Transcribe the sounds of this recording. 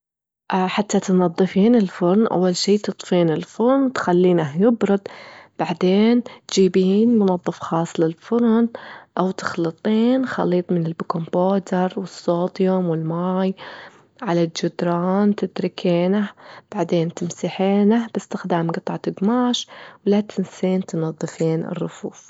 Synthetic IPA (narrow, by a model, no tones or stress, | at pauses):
ʔħat̪ːat̪nɑðˤːɨfiːnɪlfʊɾˤnʔa̰wːalʃiːt̪ɨt̪ˤfiːnɪlfʊɾnt̪xalːiːnaɦjɪbɾɨd̪̚ˤb̥aʕd̪eːnt̪d͡ʒiːbiːnmʊnɑðˤːɨfxɑːsˤːlɪlfʊɾnʔawt̪ɪ̥xlɨt̪ˤiːnxɑ̰liːt̪ˤmɪnɪlbkomboːt̪ɪɾˤwɪsːoːd̪jʊmwɪlmaːj | ʕalald͡ʒʊd̪ɾˤɑːnt̪ɪd̪ɾɪkʰeːnahb̥aʕd̪eːnt̪ɪmsɪħeːnahb̥ɪst̪ɪxd̪aːmɡɨt̪ˤʕat̪ɪɡmaːʃwlat̪ʰɪnseːnt̪nɑðˤːɨfiːnɪ̰rˤːʊfṵːf